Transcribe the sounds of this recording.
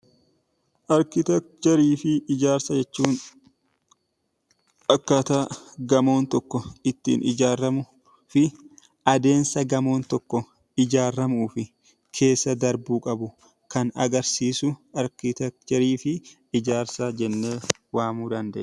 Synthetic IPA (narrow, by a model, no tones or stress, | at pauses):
ʔɐɾkɪt̪ɛkt̪ɛɾiːfɪɪd͡ʒaːɾsɐd͡ʒɛt͡ʃːuːn | ɐkːɐt̪aːɡɐmo̞ːnt̪ɔkːɔɪt̪ːḭːnʔɪd͡ʒaːɾɐmʊ | fɪ | ɐd̪e̞ːnsɐɡɐmo̞ːnt̪ɔkːɔ | ɪd͡ʒaːrːɐmuːfɪ | kʰe̞ːsːɐd̪ɐɾbuːkʼɐbʊ | kɐnɐ̰ɡɐɾsiːsʊɐɾkɪt̪ɛk̚t̪ɛɾiːfɪ | ɪd͡ʒaːɾsɐd͡ʒɛnːeː | waːmuːd̪ɐnd̪ɐʔ